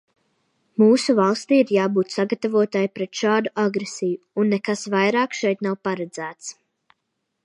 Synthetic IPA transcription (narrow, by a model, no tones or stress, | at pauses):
muːsuvalˠst̪iːiɾjaːbuːt̪saɡat̪avuɔt̪ajpɾɛt̪ʃaːd̪uʔaɡɾesijuːnːɛkasvajɾɑːkʃɛjt̪nawpaɾad̪zæːt̪s